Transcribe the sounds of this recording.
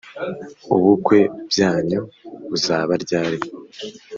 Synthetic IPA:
uβukwe̞bɟaːɲoβuzaːβaɾɟaːɾe

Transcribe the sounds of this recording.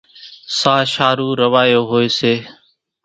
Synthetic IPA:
saːʃaːɾuːɾəʋaːjoːɦoːeːseː

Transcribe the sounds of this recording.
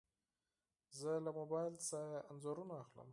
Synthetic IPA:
zəlamobɑjlsaɾaanzoɾunaaxlə̰m

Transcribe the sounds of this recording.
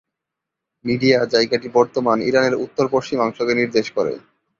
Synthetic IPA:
miɖiad͡ʑajɡaʈibɔɾt̪omaniɾaneɾut̪ːoɾpoʃt͡ɕimɔŋʃoɡeniɾd̪eʃkoɾḛ

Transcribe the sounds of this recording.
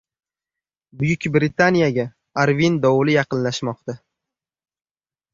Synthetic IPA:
bʊjʊkʲbɾit̪ʰanijaɡʲa | aɾvind̪ɒwlɪjɑqɨnlaʃmɒq̚t̪a

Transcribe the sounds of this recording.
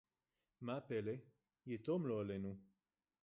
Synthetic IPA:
mapele | jet̪omloalenu

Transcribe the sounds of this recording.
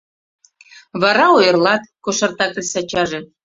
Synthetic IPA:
βɑɾɑojɤ̆rlɑt̪̚koʃɑrt̪ɑk̪̚esɑt͡ɕɑʒĕ

